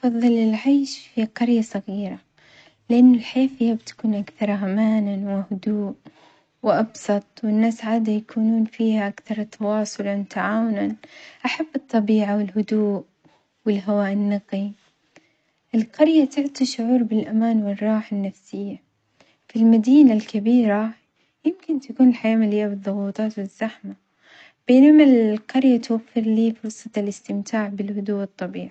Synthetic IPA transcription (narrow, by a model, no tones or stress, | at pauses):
fɑðˤːɨlɪlʕaːʃfiqɑɾjasˤɑɣiːɾa | lɪʔanːʊlħeːfɪjːabt̪ḁkuːnʔakθɑɾˤɦamaːnawɪhʊd̪uːʔ | wɪʔɑbsˤɑt̪ˤwɪnːaːsʕaːd̪ajakʰuːnuːnfiːhaʔakθɑɾˤt̪ʰɑwɑːsˤʊlant̪ʰaʕaːwʊnanʔaħabːɨt̪ˤːɑbiːʕawɪlɦʊd̪uːʔ | wɪlɦawaːʔɪnːɑqi | ʔɪlqɑɾjat̪ɪʕt̪iʃʊʕuːɾbɪlʔamaːnwɪrˤːɑːħanːafsɪjːa | filmad̪iːnalkabiːɾa | jɪmkɪnt̪akuːnɪlħajaːmalɪjːabɨðˤːʊɣuːt̪ˤɑːt̪wɪz̥ːaħma | b̥eːnamaqɑɾjat̪wafːɪɾliːfʊɾsˤɑt̪lɪst̪ɪmt̪ʰaːʕbɪlhʊd̪uːʔɨt̪ˤːɑbiːʕa